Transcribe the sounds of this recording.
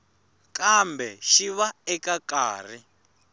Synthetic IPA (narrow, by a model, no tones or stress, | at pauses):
kambɛʃiβaɛkakaːr̤i